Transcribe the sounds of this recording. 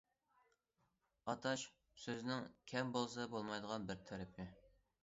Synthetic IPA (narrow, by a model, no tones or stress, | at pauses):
ɑt̪ʰɑʃ | søznɪŋkʲʰɛmbolˠsɑbolˠmɑjd̪əʁɑnbɪɾt̪ʰɛɾɪpʰɪ